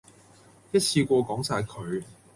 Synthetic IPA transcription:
jɐ˥t̚t͡sʰiː˧kʷɔː˧kɔː˨˥ŋsaː˧jkʰɵ˨ɥ

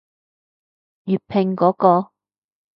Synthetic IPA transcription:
jyː˨t̚pʰɪ˨˩ŋkɔː˨˥kɔː˧

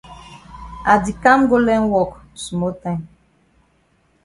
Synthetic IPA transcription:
a˨di˨kã˦mɡo˦lɛ̃˦nwɔ˦˨k | su˨mɔ˦tã˦m

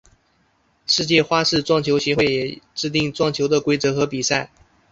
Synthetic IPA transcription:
ʂɻ̩˥˧t͡ɕjɛ˥˩xwa˥ʂɻ̩˥˧ʈ͡ʂwɑ˥˩ŋt͡ɕʰjo˧˥ʊɕjɛ˧˥xwe˥˩ɪjɛ˨˩ʈ͡ʂɻ̩˥˧t̪̬i˥˧˨ŋʈ͡ʂwɑ˥˩ŋt͡ɕʰjo˧˥ʊd̪ə˧kwe˥ɪt͡sɤ˧˥xɤ˧˥pi˨˩sa˥˩ɪ

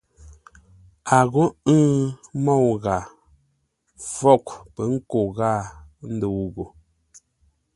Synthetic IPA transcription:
a˨ɣo˦ɨ˦mɔ˦˨wɣa˨ | fɔ˦˨kpɛ˨˦ŋ̩˦ko˨ɣa˦˨n̩˦də˨wɣo˨

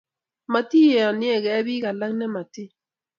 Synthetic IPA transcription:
ma˨ti˦jɛ˨ɔ˨nɪ˦ɛ˦˨kɛ˨˦bi˦ka˨la˦ŋnɛ˦ma˨ti˦

